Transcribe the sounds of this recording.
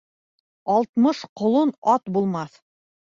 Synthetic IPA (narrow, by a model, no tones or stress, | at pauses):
ɑlˠt̪mɤʃqŏlˠonɑt̪bulˠmɑθ